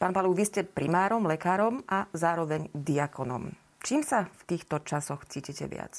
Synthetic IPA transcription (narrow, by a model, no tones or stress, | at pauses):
paːnpaluːʋiscɛpɾimaːɾɔmlɛkaːɾɔmʔazaːɾɔʋɛɲd̪iakɔnɔ̰m | t͡ʃiːmsaft̪iːxt̪ɔt͡ʃasɔxt͡siːcicɛ̰ʋɪa̰t͡s